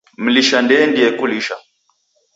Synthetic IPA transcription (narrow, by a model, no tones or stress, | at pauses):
m̩liʃandɛndiɛkuliʃa